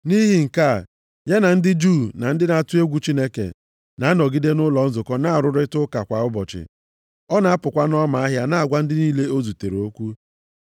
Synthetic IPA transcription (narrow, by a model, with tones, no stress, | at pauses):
ni˦ɦi˨ŋ̩˨ka˦˨ | ɲe˦na˨n̩˦dɪ˦d͡ʒu˦˨na˨n̩˦dɪ˦na˨tʊ˦e˦ɡʷu˦t͡ʃi˦ne˦kḛ˨ | na˨a˦nɔ˨ɡi˦de˦nʊ˦lɔ˨n̩˦zʊ˨kɔ˦na˦˨ɾʊ˦ɾɪ˦tʊ˦ka˨kʷa˨ʊ˦bɔ˨t͡ʃɪ̰˨ | ɔ˦na˨a˦pʊ˨kʷa˦nɔ˦ma˨a˦ɦja˦na˦a˨ɡʷa˦n̩˦dɪ˦niː˦le˦o˦zu˨te˨ɾo˦kʷu˦